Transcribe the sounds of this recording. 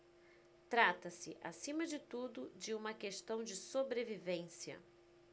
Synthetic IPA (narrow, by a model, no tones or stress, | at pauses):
t̪ɾat̪ɐsɪʔa̰sĩmɐd͡ʒɪt̪ud̪ʊd͡ʒɪũmɐkeʃt̪ɐ̃w̃d͡ʒɪsobɾevivẽsiɐ̰